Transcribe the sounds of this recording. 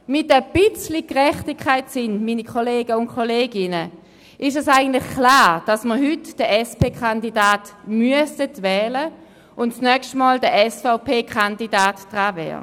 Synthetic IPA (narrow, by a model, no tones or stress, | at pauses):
mɪtəb̥ɪt͡slikʁɛχtikʰːaɪtsɪnmiːnikʰoleːɡəʊnkʰoleːɡɪnə | ʔɪʃɛsaɪɡən̩tlɪχkʰlaːʁd̥asməʁɦʏtd̥əʔɛspeːkχandidaːtmyəsətvɛːlə | ʊntt͡snœkʃtmɔːldəʔɛsfaʊpʰeːkʰandidaːtd̥ʁaːvɛ̰ːʁə̰